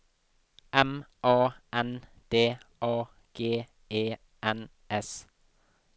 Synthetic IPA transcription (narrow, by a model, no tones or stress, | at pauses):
ʔɛmʔɑːɛn | d̪̥eːʔɑː | ɡ̥eː | eː | ʔæn | ʔɛs